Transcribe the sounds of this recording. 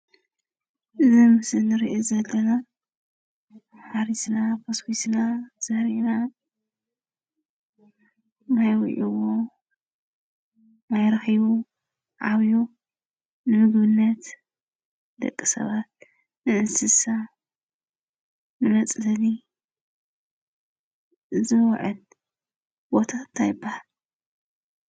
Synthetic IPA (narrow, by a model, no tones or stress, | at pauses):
ʔɨzimɨsɨnɨɾiʔezɐlːɐna | ħaɾisnapʰɐskisnaz̥ɐhɾina | najwɨ̰ʕuwo | najɾɐxiβu | ʕaβju | nɨmɨɡβɨnːɐt̪ | d̪ɐ̰kʼːisɐ̰βat̪̚ | nɨʔɨnsɨsa | nɨmɐt͡sʼlɐli | zɨwʕɨl | b̥o̞t̪ʰant̪ʰajɪbːahal